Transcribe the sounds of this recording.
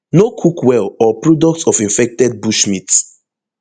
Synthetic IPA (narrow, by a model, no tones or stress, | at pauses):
nokʰukwɛlɔpɹɔdɔk̚tsɔfĩnfɛk̚tɛd̚buʃmit